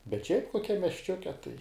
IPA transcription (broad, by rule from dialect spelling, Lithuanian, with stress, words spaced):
bʲɛt ʃʲɛɪp koːˈkʲɛm mʲiɛsʲˈt͡ʃʲʊkʲɛ tɐɪ